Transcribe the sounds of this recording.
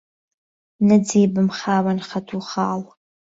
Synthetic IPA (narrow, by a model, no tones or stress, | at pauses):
nad͡zejbɨmχaːwanχatʰuχaːl